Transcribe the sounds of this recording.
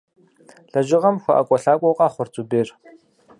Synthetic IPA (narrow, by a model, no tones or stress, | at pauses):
ɬɐʒɪʁɐmxʷɐʔɐkʷʼɔɬaːkʷʼɔwqʼɑːχʷʊrt͡sʼubeːr